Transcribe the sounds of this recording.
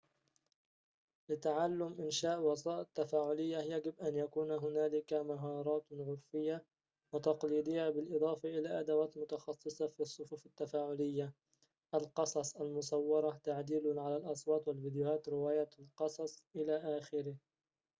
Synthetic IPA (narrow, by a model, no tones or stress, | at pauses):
lɪt̪aʕalːʊmʔɪnʃaːʔwɑsˤɑːʔat̪ːafaːʕʊlɪjːajaɡɪbʔanjakuːnɦʊnaːlɪkamaɦɑːɾˤɑːt̪ʕʊɾfɪjːa | wɪt̪ɑqliːd̪ɪjːabɪlʔɨðˤɑːfɑʔɪlaːʔad̪awaːt̪mʊt̪ɑxɑsˤːɨsˤɑfiːsˤːʊfuːfat̪ːafaːʕʊlɪjːa | ʔalqɑsˤɑsˤalmʊsˤɑwːɑɾˤɑt̪aʕd̪iːlʊʕalalʔɑsˤwɑːt̪walviːd̪jʊhaːt̪ɾɪwaːjaːt̪lqɑsˤɑsˤʔɪlaːʔaːxɪɾɪh